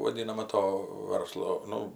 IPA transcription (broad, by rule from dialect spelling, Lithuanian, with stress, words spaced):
ʋɐˈdʲiːnɐmɐ ˈtoː ˈʋɐrslˠoː ˈnʊ